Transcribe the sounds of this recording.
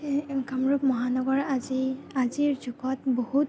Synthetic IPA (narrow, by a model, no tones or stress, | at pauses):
ɡamɹuk̚mɔɦanɔɡɔɹaziaziɹzuɡɔtbɔhut̚